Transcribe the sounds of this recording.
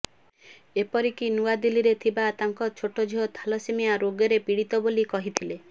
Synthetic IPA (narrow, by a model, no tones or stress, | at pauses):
epɔɾikinuad̪iliɾet̪ʰibat̪aŋkɔt͡ʃʰoʈɔd͡ʒʱiɦɔt̪ʰalɔsimiaɾoɡeɾepiɽit̪ɔbolikɔɦit̪ʰile